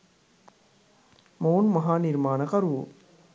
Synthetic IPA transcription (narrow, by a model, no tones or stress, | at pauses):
moːnmɐɦaːniɾmaːnɐkɐɾu